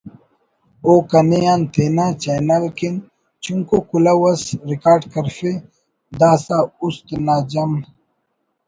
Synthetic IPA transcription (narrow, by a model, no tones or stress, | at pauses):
oːkɐnejant̪ʰeːnaːt͡ɕajnɐlkin | t͡ɕuŋkokulawɐsɾikaːɾɖkɐɾfe | d̪aːsaːust̪naːd͡ʑɐm